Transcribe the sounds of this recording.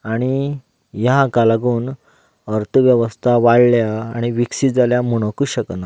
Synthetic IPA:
aɽ̃i | jakalaɡuːn | əɾt̪ʰəʋjəʋəst̪ʰaʋaɽljaːɽ̃iʋiksid͡zaljamuɽ̃əkuːɕəkna

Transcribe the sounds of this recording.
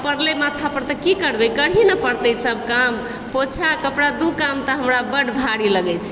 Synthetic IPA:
pəɾlemat̪ʰapəɾt̪əkikəɾbɛjkəɽ̤inəpəɾt̪əjsəb̚ʱkam | pot͡ʃʰakəpɽad̪ukamt̪əɦəmɾabəɖbʱaɽiləɡɛjt͡ʃʰ

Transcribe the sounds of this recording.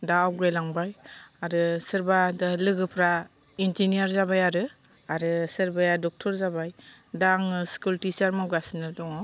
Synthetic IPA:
dawɡajlaŋbajaɾɯsɯɾbadɯlɯɡɯpʰɾa | ind͡ʒinijaɾzabajaɾɯ | aɾɯsɯɾbajadɔk̚tʰɔɾzabajdaŋɯskultisaɾmawɡasnɯdɔŋɔ

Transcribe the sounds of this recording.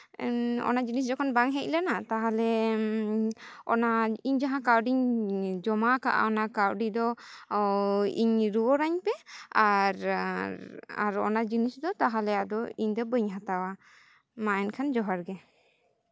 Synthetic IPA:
ɔ̰nad͡ʒinis̬d͡ʒɔkʰɔnbaŋɦɛc̚lanat̪aɦalɛ | ɔnaiɲd͡ʒaɦãkawɖiɲd͡ʒɔmakaʔa̰ɔnakawɖid̪ɔ | ḭɲɾuɔɾaɲpɛaɾɾa̰ɾɔ̰nad͡ʒinisd̪ɔt̪aɦalɛjaʔd̪ɔiɲd̪ɔbəɲɦãt̪awa | maɛnkʰand͡ʒɔɦaɾɡɛ

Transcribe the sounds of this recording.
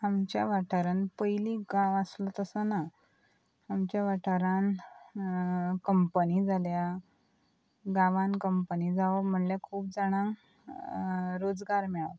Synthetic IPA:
amt͡ɕjaʋaʈʰəɾənpəjliɡãʋəslət̪əsəna | amt͡ɕjaʋaʈʰəɾan | kəmpənid͡zʱalja | ɡãʋãnkəmpənid͡zaʋəm̤əɳljekʰuːp̚d͡zaɽ̃ãŋ | ɾod͡zɡaɾmɛɭat̪

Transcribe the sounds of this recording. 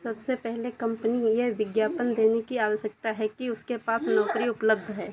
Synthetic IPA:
sɐbsepɛɦlekɐ̃mpənijeʋɪɡjaːpənd̪eːnekiaːʋəʃjək̚t̪aɦɛkiʊskepaːsnɔːkɾiʊpləb̚d̪ʱɦɛː

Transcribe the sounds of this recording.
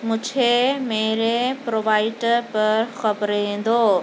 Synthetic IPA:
mʊ̃d͡ʑʱʰemeːɾepɾoːʋaːɪɖəpɐɾxɐbɾɦẽːn̆d̪oː

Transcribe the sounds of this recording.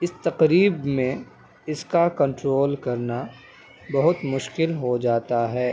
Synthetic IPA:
ɪst̪ɐqɾiːbmẽ | ɪskakɐ̃ɳʈɾoːlkɐɾna | bɐɦʊt̪mʊʃkɪlɦod͡ʒaːt̪aɦɛː

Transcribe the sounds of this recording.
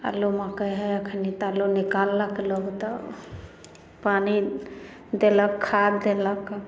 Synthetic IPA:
a̰lomakəɦajakʰənit̪alonikalːakelɔɡt̪a | pani | d̪elakʰːadd̪elak

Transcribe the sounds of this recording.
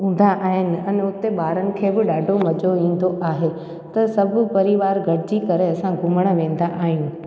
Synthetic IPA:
ɦũːn̆d̪aʔaːɦɪnɪ̆ɛ̃nʊt̪eɓaːɾənɪ̆kʰeːbɪɗaːɖʱomɐd͡ʑoʋĩːn̆d̪oʔaːɦe | t̪ɐsɐbʱʊ̆pɐɾiʋaːɾɡʱɐɽɪd͡ʑikɐɾeɐsãɡʱʊməɽ̃ʋẽːn̆d̪aʔaːɦijũ

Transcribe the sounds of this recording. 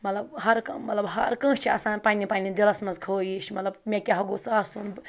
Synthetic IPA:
mɐt̪lɐbhɐɾkɐmɐt̪lɐbɦɐɾkə̃ːst͡ʃʰiɐsãːnpaːnʲipaːnʲĩd̪ilɐsmɐnzkʰoːjiʃmɐt̪lɐbmʲẽkʲaɦɐɡosaːsunb

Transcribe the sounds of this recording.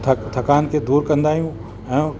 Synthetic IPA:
t̪ʰɐkaːnked̪uːɾkɐ̃nd̪aːjũ | ɛ̃

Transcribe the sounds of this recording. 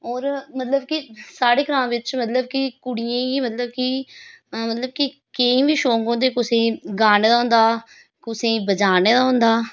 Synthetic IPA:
ɔːɾmət̪ləb̚kisaːɽeːkɾãːmʋɪt͡ʃmət̪ləb̚kikʊɽijãːɡiːmət̪ləb̚ki | mət̪ləb̚ki | keĩːʋiːʃoːŋɡõːd̪eːkʊsẽːɡaːneːd̪aːɦʊ̃nd̪aː | kʊsẽːbəd͡ʒaːneːd̪aːɦʊ̃nd̪aː

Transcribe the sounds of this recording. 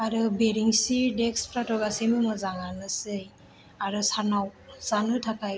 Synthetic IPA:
aɾubeɾiŋsiɹdɛkspʰɾatɔɡasimɯmɔzaŋanɯsɯj | aɾusanawz̥anɯtʰapaj

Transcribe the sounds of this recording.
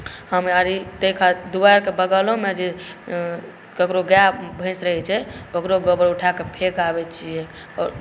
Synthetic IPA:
həmaɾit̪əikʰad̪ubaɾkebəɡəlomed͡ʒe | kəkɾoɡabʱə̃sɾəɦɛt͡ʃʰɛəkɾoɡəbəɾuʈʰakepʰekabɛt͡ʃʰijɛ | ɔ̰ːɾ

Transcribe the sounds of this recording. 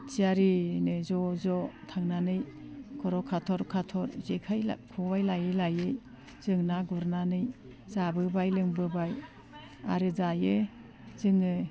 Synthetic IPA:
t͡ʃiaɾinɯzɔzɔtʰaŋnanɯj | kʰɔɾɔkʰatʰɔɾkʰatʰɔɾzekʰaja̰kʰɔbajlajɯlajɯj | z̥ɯŋnaɡuɾnanɯj | zabɯbajlɯŋbɯbaj | a̰ɾɯzajɯ | zɯŋɯ

